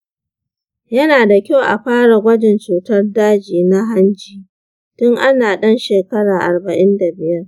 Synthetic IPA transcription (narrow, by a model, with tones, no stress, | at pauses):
jɐ˦naː˨da˨kʲa˦˨wʔa̰˨ɸaː˦ɽa˨ɡʷɐ˦d͡ʒɪ˨nt͡ʃuː˨tɐ˦rdaː˦d͡ʒiː˨na˦ɦa˦nd͡ʒiː˨ | tʊ˦ŋʔa˦naː˨ɗɐ˦nʃeː˨kɐ˦ɽaː˨ʔa̰˨rbɐ˨ʔɪ˦nda˨bɪ˨jɐ˦r